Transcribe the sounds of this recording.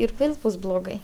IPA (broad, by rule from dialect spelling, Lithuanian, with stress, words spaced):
ɪr ˈʋʲeːlˠ ˈbʊs blˠoːˈɡɐɪ